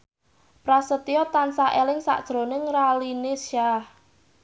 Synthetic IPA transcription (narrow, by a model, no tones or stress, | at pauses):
pɾasət̪iɔt̪ansaʔelɪŋsa̰ʔd̥ʒ̥ɾo̤nɪŋralinesʃah